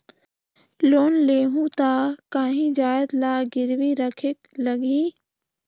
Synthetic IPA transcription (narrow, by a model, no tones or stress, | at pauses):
loːnleːɦũt̪aːkaːɦĩd͡ʒaːjəd̪laːɡɪɾwiɾəkʰekləɡiː